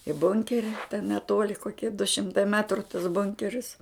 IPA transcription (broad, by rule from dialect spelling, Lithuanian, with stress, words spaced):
ɪ ˈbʊŋʲkʲɛrʲɪ tʲɛn nʲɛˈtuɔlʲɪ koːˈkʲiɛ dʊ ˈʃʲɪmtɐɪ ˈmʲæːtrʊ tɐs ˈbʊŋʲkʲɛrʲɪs